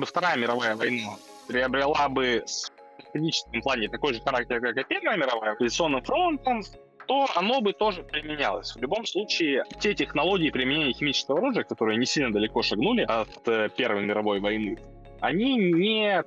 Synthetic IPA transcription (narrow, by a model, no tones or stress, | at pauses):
bɨft̪ɐɾajəmʲɪɾɐvajəvɐjna | pɾʲɪɐbɾʲɪlˠabɨs | t̪ɪdʲit͡ɕɪ̥skʲɪmplˠanʲɪt̪ɐko̞jʐɨxɐɾak̚tʲɪɾkakapʲervəjəmʲɪɾɐvajəɐpəzʲɪt̪sɨo̞nːɨmfɾo̞nt̪əm | t̪o̞ɐno̞bɨt̪o̞ʐɨpʲɾʲɪmʲɪnʲa̰lˠə̰sʲvlʲʊbo̞mslˠut͡ɕɪːtʲetʲɪxnɐlˠo̞ɡʲɪːpɾʲɪmɪnʲenʲɪjəxʲɪmʲit͡ɕɪ̥skəvəɐɾuʐɨjəkɐt̪o̞ɾɨjənʲɪsʲilʲnəd̪əlʲɪko̞ʂɐɡnulʲɪʔɐt̪əpʲervəjmʲɪɾɐvo̞jvɐjnɨ | ɐ̰nʲinʲɪ